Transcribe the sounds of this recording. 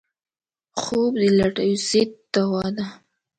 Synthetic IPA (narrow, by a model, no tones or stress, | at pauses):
xobd̪əlaʈajuset̪ːawɑd̪a